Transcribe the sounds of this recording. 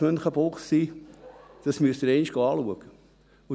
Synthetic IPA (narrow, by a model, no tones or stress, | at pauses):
ønχəboːχsiː | d̥ɑsmyəst̪əɾɛɪnɪʃɡ̥oɑːluəɡ̥ə | ʊ